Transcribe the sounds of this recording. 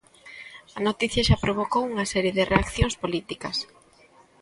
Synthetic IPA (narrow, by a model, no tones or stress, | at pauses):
ɐnot̪iθjɐʃapɾoβ̞okowuŋɐsɛɾjeðɪrʔeakθjõŋspolit̪ikɐs